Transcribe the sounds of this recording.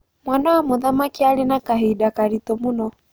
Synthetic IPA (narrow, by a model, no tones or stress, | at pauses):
mwanawamʊðamakialɪnakaɦidakaɾitɔmunɔ